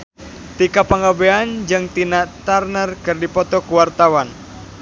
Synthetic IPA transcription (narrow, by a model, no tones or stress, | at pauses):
t̪ikapaŋɡabeand͡ʒɨŋt̪inat̪arnərkɨrdipɔt̪ɔkuwart̪awan